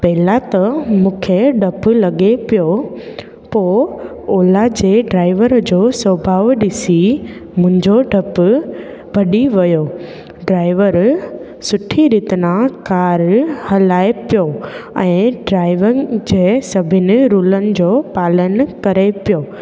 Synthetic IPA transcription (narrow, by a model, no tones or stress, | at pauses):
pɐɦɪlat̪ɐmũːkʰeɖʱɐplɐɠepijo | poː | oːlad͡ʑeːɖɾaːɪʋəɾd͡ʑoːsəbʱaːʋɗɪsimʊ̃ɦɪ̃ɲd͡ʑoɖʱɐp | bʱɐɗiʋɐjo | ɖɾaːɪʋəɾ | sʊʈʰiɾiːt̪nãkaːɾhɐlaːepijoɛ̃ːɖɾaːɪʋəd͡ʑeːsɐbʱɪnɪ̆ɾuːlənɪ̆d͡ʑoːpaːlənkɐɾepijoː